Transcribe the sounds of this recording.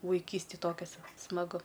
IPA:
ʋɐɪˈkʲiːsʲtʲeːj ˈtoːkʲɛs smɐˈɡʊ

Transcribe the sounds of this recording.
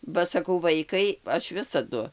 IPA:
bɐ sɐˈkɐʊ ˈʋɐɪkɐɪ ˈɐʃ ˈʋʲɪsɐdʊ

